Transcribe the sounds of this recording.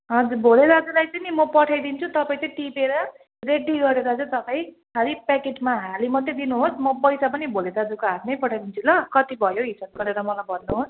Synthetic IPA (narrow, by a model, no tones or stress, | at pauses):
ʌd͡zubʱoleɾaʌd͡zulajt͡sʌnimʌpʌʈʰajd̪int͡sʰut̪ʌpaĩt͡sʌjʈipeɾʌ | reɖiɡʌɾeɾʌd͡zut̪ʌpaj̃ | ɦaɾipɛkeʈmaɦalimʌt̪ːjed̪inuɦosmʌpʌjsapʌnibʱoleɾaːd͡zukoapʰnʌjpʌʈʰajd̪int͡sʰulʌkʌt̪ibʱʌjoɦisab̚ɡʌɾeɾʌmʌlajbʱʌnnːuɦos